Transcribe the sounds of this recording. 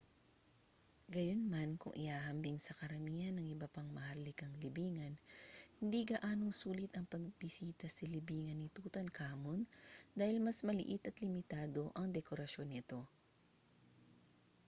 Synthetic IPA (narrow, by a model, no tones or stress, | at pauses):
ɡɐjonmankʊ̰ŋʔɪ̰haːɦɐmbɪŋsɐkɐɾɐmiːhɐnːɐŋɪbɐpaŋmɐhalːɪkɐŋlɪbiːŋɐnhɪnd̪iɡɐʔaːnoŋsuːlɪt̪ɐŋpɐɡ̚bɪsiːt̪ɐsɐlɪbiːŋɐnːɪt̪uːt̪ɐnkʰaːmond̪aːhɪlmɐsmɐlɪ̰ʔɪt̪ɐt̪lɪmɪt̪aːd̪o̞ʔɐŋd̪ɛkoɾɐʃo̞nːɪt̪o̞